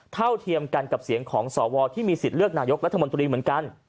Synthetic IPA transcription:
t̪ʰa˥˩wt̪ʰi˧əmka˧nka˨˩p̚si˨˩˦əŋkʰɔː˩˦ŋsɔː˩˦wɔː˧t̪ʰiː˥˩miː˧si˨˩t̪̚ɾɯ˥˩ək̚naː˧jo˦˥k̚ɾa˦˥t̪ʰːa˧mo˧nt̪ɾiː˧mɯ˩˦ənka˧n

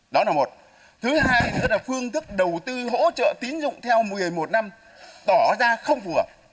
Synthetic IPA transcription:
ɗɔ˨˦laː˨˩mo˨˩t̚ | t̪ʰɨ˨˦ɦaː˧jɨ̰˨˧˥laː˨˩fɨ˧əŋt̪ɨ˦˥k̚ɗə˨˩wt̪ɨ˧ɦo̰˧˥t͡ɕə̰ː˧˨t̪i˨˦nzʊ̰˧˨ŋ͡mt̪ʰɛ˧wmɨ˨˩əjmo˨˩t̚na˧m | t̪ɔ˧˩zaː˧xə˧wŋ͡mvɨ˨˩ə

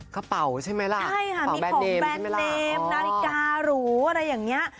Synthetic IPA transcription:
kʰa˧˩pa˨˩wt͡ɕʰa˥˩jma˦˥jla˧t͡ɕʰa˥˩jkʰa˥˩a˨i˧bɛː˧o˨deː˦˧mbɛː˥˧˥nma˦˥ldeː˧mna˦˥ɾi˧kaː˧ɾuː˩˦ʔa˧ɾa˧jːaː˨˩ŋni˦˥ɐʔ

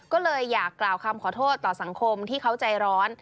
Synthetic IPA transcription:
kɔː˥˩lɤː˧jːaː˨˩kːlaː˨˩wkʰa˧mkʰɔː˩˦t̪ʰoː˥˩t̪ːɔː˨˩sa˩˦ŋkʰo˧mt̪ʰiː˥˩kʰa˦˥wt͡ɕa˧jɾɔː˦˥n

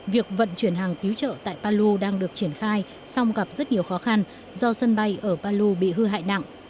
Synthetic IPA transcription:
vi˨˩ək̚və̰˧˨nt͡ɕwi˧˩ənɦaː˨˩ŋt̪i˨˦wt͡ɕə̰ː˧˨t̪a̰ː˧˨jpaː˧lu˧ɗaː˧ŋɗɨ˨˩ək̚t͡ɕi˧˩ənxaː˧j | sa˧wŋ͡mɣa˨˩p̚zə˦˥t̚ɲi˨˩əwxɔ˨˦xa˧n | zɔ˧sə˧nɓa˧jʔəː˧˩paː˧lu˧ɓḭ˧˨ɦɨ˧ɦa̰ː˧˨jna̰˧˨ŋʔ

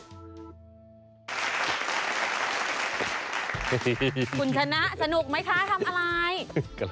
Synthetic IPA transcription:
u˨˧˩nt͡ɕʰa˧na˦˥ʔsa˧nu˨˩k̚ma˦˥jkʰa˦˥t̪ʰa˧mʔa˧ɾa˧j

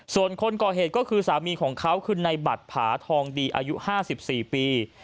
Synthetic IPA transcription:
su˨˩ənkʰo˧nkɔː˨˩ɦeː˨˩t̪̚kɔː˥˩kʰɯː˧saː˩˦miː˧kʰɔː˩˦ŋkʰa˦˥wkʰɯ˧nːa˧jba˨˩t̪̚pʰaː˩˦t̪ʰɔː˧ŋdiː˧ʔa̰ː˧ju˦˥ʔhaː˥˩si˨˩p̚siː˨˩piː˧

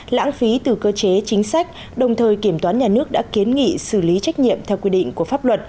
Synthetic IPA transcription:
la̰ː˧˥ŋfi˨˦t̪ɨ˨˩kəː˧t͡ɕe˨˦t͡ɕï˨˦ŋ̟sa˦˥jk̟̚ | ɗə˨˩wŋ͡mt̪ʰəː˨˩jki˧˩əmt̪waː˨˦nɲaː˨˩nɨ˦˥ək̚ɗa̰ː˧˥ki˨˦ənŋḭ˧˨sɨ˧˩li˨˦t͡ɕa˦˥jk̟̚ɲḭ˧˨əmt̪ʰɛ˧wkwi˧ɗḭ̈˧˨ŋ̟ku˧˩əfaː˦˥p̚lwə˨˩t̚

